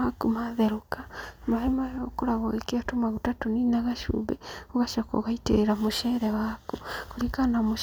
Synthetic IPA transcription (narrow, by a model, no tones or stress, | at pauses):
akumaðɛɾokamaɾemajɔkoɾaɣɔɣekeatomaɣutatoninaɣaʃṵβɛ̰oɣaʃakɔ̰ɣaitḛɾeɾamoʃɛːɾɛwakukoɾikanamo